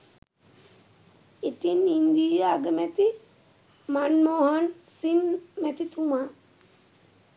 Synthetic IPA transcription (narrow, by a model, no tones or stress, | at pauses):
it̪inind̪ijaɡəmɛt̪i | manmoɦan | sinmɛt̪it̪uma